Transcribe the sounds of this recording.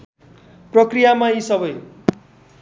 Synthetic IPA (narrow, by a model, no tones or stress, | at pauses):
prʌkrijamaisʌbʌj